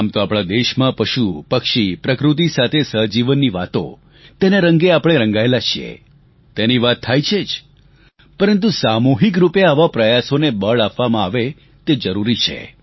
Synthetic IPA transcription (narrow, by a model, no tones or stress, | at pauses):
amt̪oapɽ̃ad̪eʃmãpəʃupəkʃipɾəkɾut̪̬isat̪ʰesəd͡ʒiʋənːiʋat̪o̰ | t̪eneɾəŋɡeapɽ̃eɾəŋɡaelat͡ʃʰiḛ | t̪eniʋat̪ʰːajt͡ʃʰed͡ʒ | pəɾənt̪usamoɦik̬ɾupeaʋapɾəjasonebəɭapʋamãaʋe | t̪ed͡ʒəɾuɾit͡ʃʰḛ